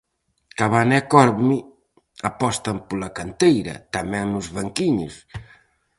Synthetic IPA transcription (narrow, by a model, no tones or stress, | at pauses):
kaβanɛkɔɾmi | apɔst̪ɐmpolɐkant̪ejɾɐ̰t̪ɐmɛ̃ŋnʊzβaŋkiɲʊ̰s